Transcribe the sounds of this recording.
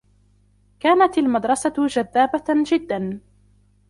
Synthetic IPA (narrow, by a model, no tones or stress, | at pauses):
kaːnat̪almad̪ɾˤɑsad͡ʒaðːaːbad͡ʒɪd̪ːan